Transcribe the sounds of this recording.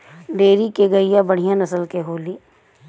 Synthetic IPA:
ɖeːɾikeɡɐijabɐɽ̤ijãnɐsəlkeɦoːliː

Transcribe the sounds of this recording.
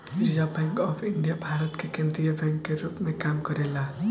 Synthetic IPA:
ɪɾd͡ʒabɛ̃ːŋkɔːfʰɪ̃ɳɖijabʱaːɾət̪kekẽnd̪ɾijabɛ̃ːŋkːeɾuːpmẽkaːmkɐɾela

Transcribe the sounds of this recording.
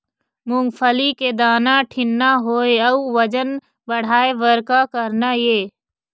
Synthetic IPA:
mʊŋɡpʰəliked̪aːnaʈʰɪnːaɦoːeəuʋəd͡ʒən | bəɽ̤aːeʋəɾkakəɾnajeː

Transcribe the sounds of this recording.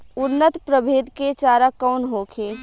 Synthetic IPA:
ʊɾnət̪pɾəbʱeːd̪ket͡ʃaːɾakɔːnɦoːkʰeː

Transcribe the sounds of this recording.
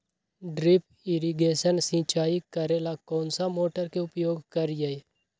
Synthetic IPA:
ɖɾɪp | ɪɾiɡeːʃənsĩːt͡ʃaːikəɾeːlakɔ̃ːnsamoːʈəɾkeʊpjoːɡkəɾjae

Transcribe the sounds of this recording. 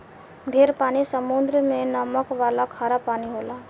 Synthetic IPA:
d̪ʱeɾpanisəmund̪ɾəmenəməkʋalakʰaːɾapaniɦola

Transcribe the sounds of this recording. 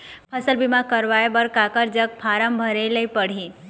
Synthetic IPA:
pʰəsəlbimãkəɾʋajebəɾkakəɾd͡ʒək̚pʰaɾəmbʱəɾeləipəɽ̤ĩ

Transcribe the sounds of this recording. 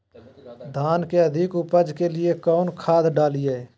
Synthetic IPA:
d̪ʱaːnkeəd̪ʱɪkʊpəd͡ʒkelɪekɔːnkʰaːd̪ɖaːliaː

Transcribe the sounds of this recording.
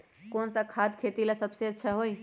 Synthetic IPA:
koːnsakʰad̪kʰet̪ilasəbseətːʃʰaɦoi

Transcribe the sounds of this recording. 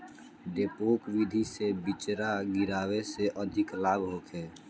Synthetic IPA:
d̪eːpoːkʋɪd̪ʱisebɪt͡ʃɾaɡɪɾaːweseʔəd̪ʱɪklaːbʱɦoːk̪ʰeː

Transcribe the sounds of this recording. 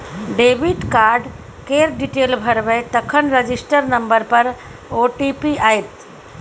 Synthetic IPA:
ɖeːʋiɖkaːɾɖ | keːɾɖiʈeːlbʱəɾʋẽt̪əkʰənɾəd͡ʒisʈəɾnɐmbəɾpəɾ | oʈipiaːɦet̪

